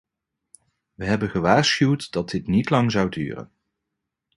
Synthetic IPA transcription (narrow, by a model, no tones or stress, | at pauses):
ʋəɦɛbənχəʋaːɹsχywtdɑd̚ɪtnitlɑŋzʌwdy̰ːrə̰n